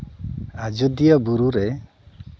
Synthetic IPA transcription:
ad͡ʒud̪ijɔbuɾuɾɛ

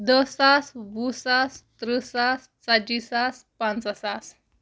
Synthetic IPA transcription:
d̪əsasʋusast̪ɾəsas | t͡sad͡ʑisas | pãnt͡sasas

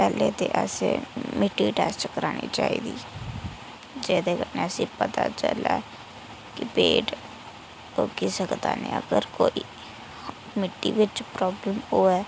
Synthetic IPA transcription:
pɛːlet̪eʔɛsemɪʈːiʈɛːst͡ʃkəɾaːnit͡ʃaːiːd̪iː | d͡ʒɛːd̪ekəneəsĩpət̪at͡ʃə̰la | kɪpeːʈ | okisəkt̪aːnĩəɡəɾkoːi | mɪʈːiʋɪt͡ʃpɾɔːbləmoːɛː

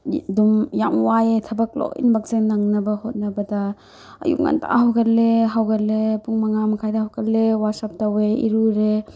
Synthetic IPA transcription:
dumjaŋwajetʰɐbɐk̚lo̰j̰nbɐk̚zenɐŋnɐbɐhot̚nɐbɐdɐ | ɐ̰jṵk̚ŋa̰ntʰa̰ɦawɡɐleɦawɡɐtlepuŋmɐŋamɐkʰajdɐhawkɐlːewasap̚taweḭɾuɾe

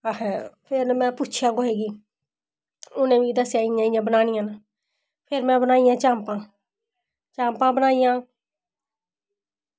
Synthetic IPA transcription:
əhɛ̃ːpʰɪɾnmɛ̃ːpuːt͡ʃʰjãːɡoːɦeːɡiː | ʊnẽːʋiːd̪əsjaːɪjãːɪjãːbənaːnijãːna | pʰɪɾmɛ̃ːbənaːijãːt͡ʃãːmpãː | t͡ʃãːmpãːbənaːijãː

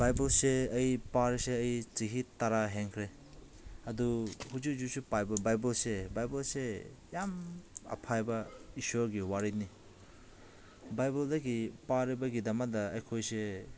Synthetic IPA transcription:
bajbɔlseɐjpaɾseəjt͡ʃiɦitaɾaɦeŋkʰɾe | ɐduhud͡ʒud͡ʒusupajbabajbɔlsebajbɔlsejamɐ̰pʰajbaisɔɡiwaɾini | bajbɔldaɡipaɾibaɡidamadaɐjkʰojse

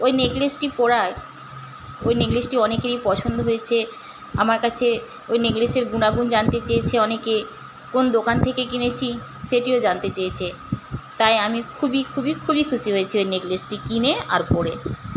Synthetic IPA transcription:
ojneɡlesʈipɔɾae | ojneɡlesʈiɔnekeɾipɔt͡ɕʰond̪oɦojet͡ɕʰe | amaɾkat͡ɕʰe | ojneɡleʃeɾɡunaɡund͡ʑant̪et͡ɕajt͡ɕʰeɔneke | kond̪okant̪ʰekekinet͡ɕʰi | ʃeʈiod͡ʑant̪et͡ɕejt͡ɕʰe | t̪ajamikʰubikʰubikʰubikʰuʃiɦojet͡ɕʰiojneɡlesʈikinea̰ɾpɔɾe

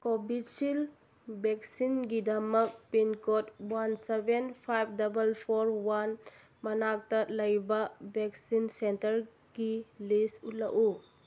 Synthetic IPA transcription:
kobitsil | bek̚sinɡidɐmɐk̚pinkotwansebenpʰajp̚ʰdɐbɐlpʰoɾwan | mɐnak̚tɐlɐjbɐbeksinsentɐɾ | ɡilisutlɐku

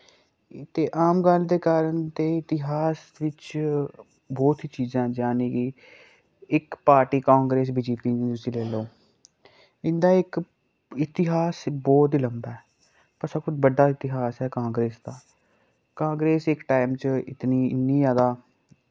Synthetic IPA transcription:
t̪eːʔaːmɡəld̪eːkaːɾənt̪eːɪt̪ɪɦaːs | ʋɪt͡ʃ | bɔːt̪iːt͡ʃiːzãːd͡ʒãːniːkɪ | ɪkpaːɾʈiːkãːŋɡɾeːs̬biːd͡ʒiːpiːniːt̪ʊsĩːleːloː | ɪnd̪aːɪk | ɪt̪ɪɦaːsbɔːt̪iləmbaːɛ | pəsakʰʊd͡ʒbəɖːaːɪt̪ɪɦaːsɛːkãːŋɡɾeːsd̪aː | kãːŋɡɾeːsɪkʈaːɪmt͡ʃɪ̰t̪niːɪ̰nːiːjaːd̪aː

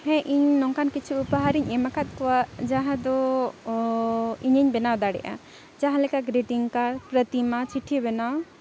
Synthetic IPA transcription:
hɛ̃ʔiɲnɔŋkankit͡ʃʰuːpaɦaɾiɲɛmakat̪̚kɔwaʔd͡ʒaɦãd̪ɔ | iɲəɲbɛnawd̪aɽɛ̰jʔa̰ | d͡ʒaɦãlɛkaɡɾiʈiŋkaɾpɾət̪imat͡ʃiʈʰibɛnaw

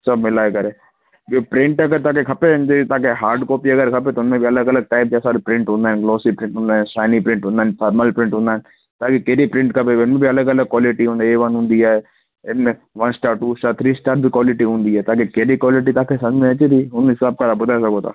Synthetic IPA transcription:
sɐbmɪlaekɐɾe | jopɾɪ̃ɳʈɐɡəɾt̪aːkekʰɐpend͡ʒet̪aːkeɦaːɾɖkoːpiɐɡəɾkʰɐpet̪oʊnmẽbʱiɐləɡɐləɡ̚ʈaːɪp̚d͡ʒaːsaːbipɾɪ̃ɳʈɦʊ̃nd̪aːɦẽnɡloːsipɾɪ̃ɳʈɦʊ̃nd̪aːɦɛ̃nʃaːɪnipɾɪ̃ɳʈɦʊ̃nd̪aːnpʰaːɾməlpɾɪ̃ɳʈɦʊ̃nd̪aːɦenɪ̆ | t̪aːkikeːɾipɾɪ̃ɳʈkʰɐpeʊnmẽbʱiɐləɡɐləɡ̚kːwaːlɪʈiɦũːnd̪aeʋɐnɦʊ̃ːnd̪iaːe | ɪnmẽ | ʋɐnsʈaːʈːuːsʈaːɾt̪ʰɾiːsʈaːʈ̚bʱikʋɔːlɪʈiɦʊ̃ːnd̪iɛːt̪aːkikeːɾikwɔːlɪʈ̬it̪aːkʰesɐ̃d͡ʒmẽɐt͡ʃed̪iːɦʊnɦɪsaːb̚kat̪abʊd̪aesɐkot̪a̰ː

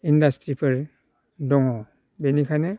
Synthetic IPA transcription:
indastɾipʰɯɾ | dɔŋɔ | benikʰane

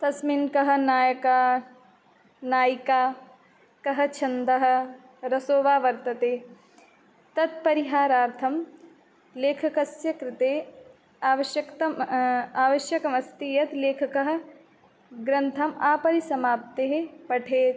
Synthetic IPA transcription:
t̪ɐsminkɐɦɐ̆naːjɐkaː | naːjikaː | kɐɦɐt͡ʃʰɐnd̪ɐɦɐ̆ | ɾɐsoːʋaːʋɐɾt̪ɐt̪eː | t̪ɐt̪̚pɐɾiɦaːɾaːɾt̪ʰɐm | leːkʰɐkɐsjɐkɾɪt̪eː | aːʋɐʃjɐkt̪ɐmaːʋɐʃjɐkɐmɐst̪ijɐt̪leːkʰɐkɐɦɐ̆ | ɡɾɐnt̪ʰɐmaːpɐɾisɐmaːp̚t̪eːɦepɐʈʰeːt̪

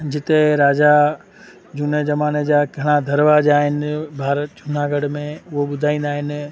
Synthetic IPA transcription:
d͡ʑɪt̪eɾaːd͡ʑa | d͡ʑun̤ed͡ʑɐmaːned͡ʑaːɡʱɐɽ̃ad̪ʱɐɾʋaʄaːɦɪnɪ̆bʱaːɾət̪d͡ʑun̤aɡɐɽmẽʊɦoɓʊd̪ʱaːĩːn̆d̪aːɦɪnɪ̆

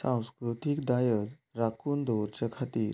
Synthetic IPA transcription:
sãw̃skɾut̪ikd̪ajəd͡z | ɾakuːnd̪oɾt͡ɕakʰat̪iːɾ

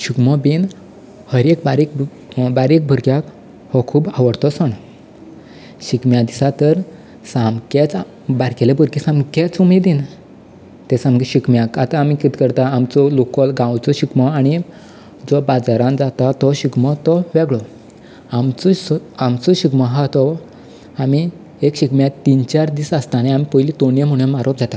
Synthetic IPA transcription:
ɕikmɔbin | həɾek̚baɾik | baɾek̚bʱuɾɡjak | hɔkʰuːbaʋəɽt̪ɔsəɽ̃ | ɕikmjãd̪isat̪əɾ | samket͡s | baɾkɛlebʱuɾkisãmket͡sumed̪in | t̪ɛsamɡiɕikmjakat̪ãːmikit̪kəɾt̪aːmt͡sɔlokɔlɡãwt͡sɔɕikmɔaɽ̃i | d͡zɔbad͡zaɾãnd͡zat̪at̪ɔɕikmɔt̪ɔʋɛɡɭɔ | amt͡ssamt͡sɔɕikmɔɦat̪ɔ | ami | ekɕikmjãt̪ːint͡ɕaɾd̪isəst̪anajamipojlit̪onjem̤uɽ̃jemaɾop̚d͡zat̪a

